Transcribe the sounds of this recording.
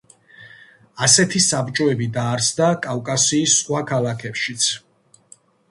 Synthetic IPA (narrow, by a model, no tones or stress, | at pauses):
asɛt̪ʰisabt͡ʃʼɔɛbid̪aːɾsʰd̪akʼavkʼasiːsːχwakʰalakʰɛpʃit̪sʰ